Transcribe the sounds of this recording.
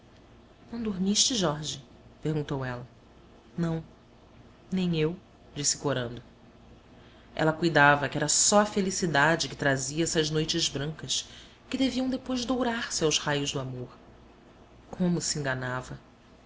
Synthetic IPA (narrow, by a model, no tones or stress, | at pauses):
nɐ̃w̃d̪oɾmiʃt͡ʃɪʒɔɾʒɪ | peɾɡũnt̪owɛlɐ | nɐ̃w̃ | nẽj̃ew | d͡ʒisɪ̥koɾɐ̃nd̪ʊ | ʔɛ̰lɐkujd̪avɐkɪɛɾɐsɔɐfelisid̪ad͡ʒɪkɪ̥t̪ɾaziɐɛsɐznojt͡ʃɪzbɾɐ̃ŋkɐs | kɪd̪eviɐ̃d̪epojzd̪owɾaɾsɪawzhajʊzd̪ʊamoχ | kʰõmʊsẽŋɡanavɐ